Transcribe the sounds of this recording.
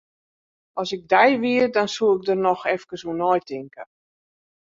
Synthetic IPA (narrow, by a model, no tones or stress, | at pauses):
ʔɔsɪɡ̚dɛjʋiərdɔnsuɪk̚dərnɔxɛfkəsunɔjtɪŋkə